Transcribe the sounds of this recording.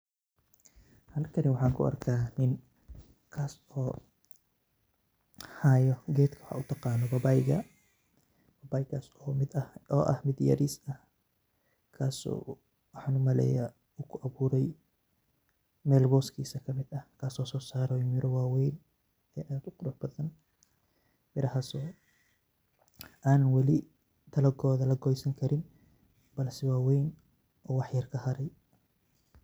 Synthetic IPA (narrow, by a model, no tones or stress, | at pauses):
hɐlkʰɐnɪwɑħɑːŋkʰʊ̰ʔɐ̰rkʰaːnɪn | kʰaːs | ɔː | haːjɔɡɛːt̪kʰɐwħa̰ːʊt̪ʰɑqɑːnɔbɐbajɡɐ | bɐbaːjɡaːsɔmɪd̪ɐɔːʔɐhmɪd̪jɐ̰ɾiːsɐh | kʰaːsɔ̰ː | wħɑnʊmɐlɛ̰ja | ʊkʰʊʔɐβuːɾɛj | mɛːlbɔːskʰiːsɐkʰɐmɪd̪ɐhkʰaːsɔːsɔːsaːɾɔmɪɾʔɔwaːwɛjn | ɛːʔaːd̪ʊqʊɾʊħb̥ɐðɐn | mɪɾɐɦɐsɔː | ʔaːnɐnwɐlɪ | t̪ʰɐlɐɡɔːðɐlɐɡɔjsɐŋkʰɐɾɪn | b̥ɐlsɛwaːwɛjn | ʔɔːwɑħjɐrkʰɐhɐɾɛj